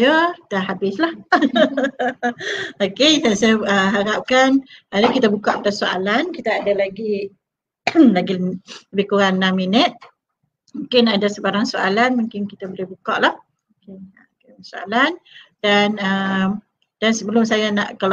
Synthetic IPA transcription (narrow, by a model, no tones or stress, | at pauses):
jəkit̪aɦabɪslah | okesajasajaəɦaɾap̚kanadakit̪abukaʔpad̪asoa̰lankit̪aːdalaɡi | laɡiləbihkuɣanːãmːinət̪̚ | muŋkɪnadasəbaɾaŋsoalanmũŋkɪnkit̪abolɪhbukaʔlah | oke | k | soa̰landanəm | d̥ansəbəlʊmsajana̰ʔkal